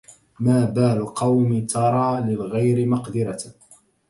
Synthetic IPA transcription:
maːbaːlqɑwmit̪ʰɑɾˤɑːlɪlɣajɾɪmɑqd̪ɪɾɑ

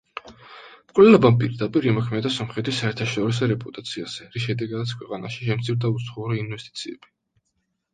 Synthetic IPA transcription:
mkʼvlɛlɔbampʼiɾd̪apʼiɾimɔkʰmɛd̪asɔmχɾɛt̪ʰisaɛɾt̪ʰaʃɔɾis̬ɔɾɛpʼut̪ʼat̪sʰiaz̥ɛɾiʃɛd̪ɛɡad̪at̪sʰkwɛqʼana̰ʃiʃɛmt̪sʰiɾd̪aut̪sχuuɾiːnwɛst̪ʼi̥t̪sʰiɛ̰b̥i

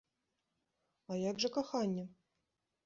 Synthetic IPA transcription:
ɐjaɡʐɐkaxanʲːɛ

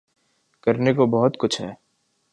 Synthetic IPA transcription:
kɐɾnekobɐɦʊt̪kʊt͡ʃʰɦɛ̰ː

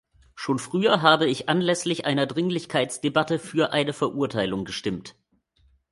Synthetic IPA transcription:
ʃoːnfʁ̥yːɐɦaːbəɪçʔanlɛslɪçʔaɪnɐdʁɪŋlɪçkʰaɪt͡sd̥ebatəfyːɐʔaɪnəfɛɐʔuɐtʰaɪlʊŋɡəʃtɪmt

